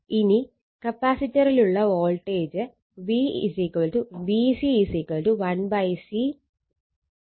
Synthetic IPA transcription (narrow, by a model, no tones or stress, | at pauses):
ini | kɐpaːsitːɐɾiluɭːɐoːlʈeːd͡ʑɨ | ʋiːsikɐlʈuʋiːsisikɐlʈuʋɐnbɐjsi